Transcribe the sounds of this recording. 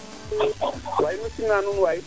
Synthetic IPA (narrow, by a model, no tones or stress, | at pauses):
wainusinanunwai